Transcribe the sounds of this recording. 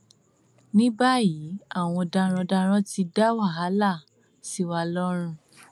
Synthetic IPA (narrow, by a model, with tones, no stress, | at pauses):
nĩ˦ba˦˨jiː˨˦a˦˨w̃ɔ̃˧da˧ɾ̃ɔ̃˧da˧ɾ̃ɔ̃˦ti˧da˦wa˦˨ɦa˨˦la˦˨ | si˦wa˧lɔ˦ɾ̃ũ˧